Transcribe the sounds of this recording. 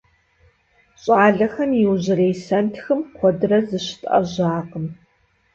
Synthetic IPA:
ɕʼaːɮɐxɐmjɪwʑɪreːjsɐntʰxɨmkʷʰɔdɨrɐzɨɕɪ̥tʼʔɐ̰ʑaːqəm

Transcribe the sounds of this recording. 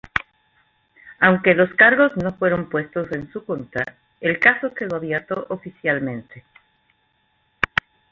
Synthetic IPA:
awŋke̞lo̞skaɾɣo̞zno̞fwe̞ɾo̞mpwe̞st̪o̞se̞nsuko̞nt̪ɾa̰ | elkaso̞keðoaβjeɾt̪oʔofisjalmẽ̞nt̪e

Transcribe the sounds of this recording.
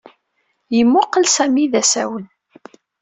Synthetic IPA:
jəmːʊqːəlsæmiðæsæwən

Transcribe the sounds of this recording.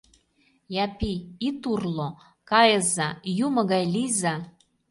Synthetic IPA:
jɑpiit̪urlo | kɑjɤ̆zɑjumɤ̆ɣɑjlizɑ

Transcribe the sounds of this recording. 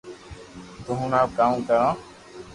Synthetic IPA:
t̪ʊɦũːnaːkaːmkəɾãː

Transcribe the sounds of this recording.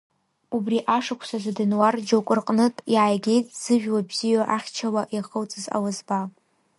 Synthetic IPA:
ubriʔaʂɨkʷʰsazadɨnward͡ʒokʷʼɨrqʼnɨtʼjaːjɡʲe̞jtʼz̥ɨʒᶣwabzijaʔaχʲt͡ʃʰawaʔiχəwt͡sʼɨza̰wazba

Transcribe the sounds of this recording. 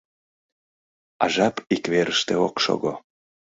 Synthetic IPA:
ɑ̰ʒɑpikβeɾəʃt̪eokʃo̰ɣo

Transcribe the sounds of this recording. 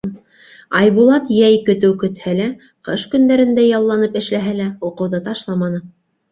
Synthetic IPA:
ɑjβulˠɑt̪jæjkɵ̆t̪ɘwkɵ̆t̪hælæ | qɤʃkɵ̆nd̪æɾɘ̆nd̪æjɑlˠːɑnɤpɘ̆ʃlæɦælæuqɤ̆wðɤt̪ɑʃlˠɑmɑnɤ

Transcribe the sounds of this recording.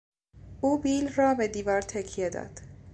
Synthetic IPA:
ʔuːbiːlrɒːbed̪iːvɒːɾt̪ʰekʰːijed̪ɒ̰ːd̪̥

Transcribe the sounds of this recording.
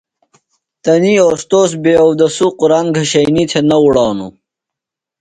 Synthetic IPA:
t̪ɐnioːst̪oːs̬beːɐwd̪ɐsuquɾaŋɡʱɐɕɐjnit̪ʰenɐuɽɑːnṵ

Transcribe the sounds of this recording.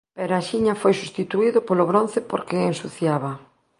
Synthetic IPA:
pɛɾaʃiɲafojsust̪it̪uiðʊpoloβɾon̟θɪpoɾkeːnsuθjaβ̞ɐ

